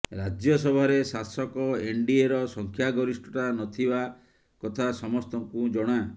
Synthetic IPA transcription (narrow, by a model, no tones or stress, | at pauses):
ɾad͡ʒjɔsɔbʱɔɾesasɔkɔeɳɖieɾɔsɔŋkʰjaɡɔɾisʈɔʈanɔt̪ʰiba | kɔt̪ʰasɔmɔst̪ɔŋkud͡ʒɔɽ̃a